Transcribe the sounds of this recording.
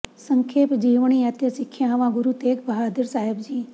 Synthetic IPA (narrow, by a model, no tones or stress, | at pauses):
səŋkʰeːpd͡ʒiːʋɳ̃iət̪jəʃɪkʰːjaʋãɡʊɾut̪eːkbəɦaːd̪iɾsaːɦebd͡ʒiː